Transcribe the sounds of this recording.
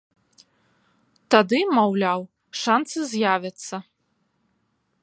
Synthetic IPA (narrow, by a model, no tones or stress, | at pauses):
t̪ad̪ɨmawlʲaw | ʂant̪sɨzʲjavʲɐt̪sːɐ